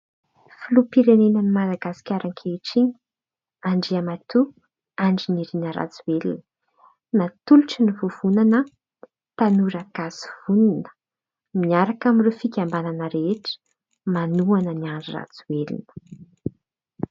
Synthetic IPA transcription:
filupiɾenenənimad̪aɡasi̥kʲaɾaŋkʲʰeʈ͡ʂiɲi̥ | aɳɖ͡ʐiamat̪u | aɳɖ͡ʐiniɾinəɾa̰t͡suwelinəə | nat̪uluʈ͡ʂinivuv̥unanə | t̪anuɾaɡ̥asi̥v̥ununə̥ | miaɾakamirefikʲambananəɾeʈ͡ʂə̥ | manuanəniaɳɖ͡ʐira̰t͡suwelḭnə̥

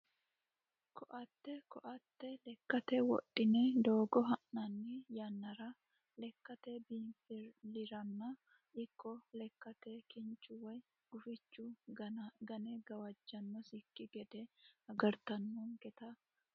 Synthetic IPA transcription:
kʰɔʔɐt̪ːɛkɔʔɐt̪ːɛlɛkːɐt̪ɛwɔ̰ʔːɪnɛd̪oːɡɔɦɐnːɐnːɪjɐnːɐɾɐ | lɛkːɐt̪ɛbinflɪɾɐnːɐ | ɪkːɔlɛkːɐt̪ɛkɪnt͡ʃːʊwɔj | ɡ̥ʊfɪt͡ʃːʊ | ɡɐnɛɡɐwɐd͡ʒːɐnːɔsɪkːɪɡɛd̪ɛɐɡɐɾt̪ɐnːuŋkɛt̪ɐ

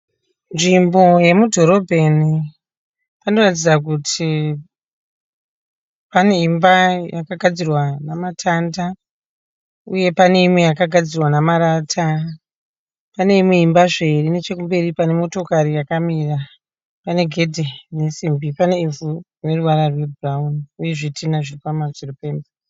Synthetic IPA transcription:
nʐimbo̞je̞mudʱo̞ɾo̞bʱe̞ni | pano̞rat̬id͡zak̬utʰi | pane̞imbajakaɡʱad͡zirwanamatʰanda | uje̞pane̞imwe̞jakaɡʱad͡zirwanamaɾatʰa | pane̞imwe̞imbaʐe̞rine̞t͡ʃe̞kumbe̞ripane̞mo̞to̞kaɾijakamira | pane̞ɡʱe̞dʱene̞simbipane̞ivurune̞ruʋaɾarwe̞buraunuje̞ʐitʰinaʐikamazirupeːnba

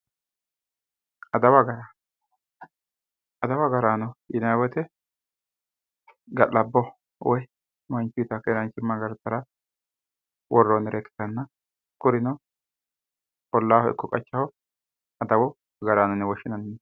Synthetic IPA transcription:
ɐd̪ɐwɐɡɐɾa | ɐd̪ɐwɐɡɐɾaːnɔjɪnawɔt̪ɛ | ɡɐlːɐbːɔ | wɔj | mɐnt͡ʃːʊijt̪ɐkːɛɾɐnt͡ʃːɪmːaɡɐɾt̪ːɐɾɐ | wɔrːɔnɛɾʔɛkːɪ̥t̪ːɐnːɐ | kʊɾɪnɔ | pɔlːaːhɔɪ̰kːɔkʼɐt͡ʃːɐhɔ | ɐd̪ɐwɔ | ɡɐɾaːnɔnːɛwɔʃːɪnɐnːɛ

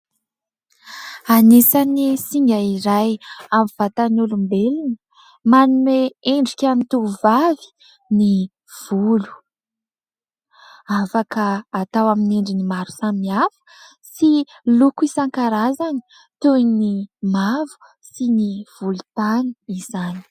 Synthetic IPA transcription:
anesanisiŋɡaiɾajamv̥at̪anulumbelinə | manuneeɳɖ͡ʐikʲamit̪uvavi̥ | ni | v̥ulu̥ | afakəːt̪awaminiɳɖ͡ʐinimaɾu̥samiafə̥ | si | lukuisaŋkaɾazani̥ | t̪unimavu̥ | siniv̥ulu̥t̪aniiz̥ani̥

